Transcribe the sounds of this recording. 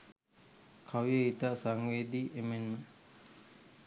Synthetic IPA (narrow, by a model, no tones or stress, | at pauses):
kʰaʋijəit̪asaŋʋeːd̪iːʔemenmə